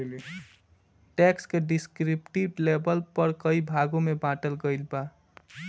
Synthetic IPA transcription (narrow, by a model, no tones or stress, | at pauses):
l | ʈekskeɖiskɾipʈiʈlebəlpəɾkəibʱaɡumebãʈəlɡəjlba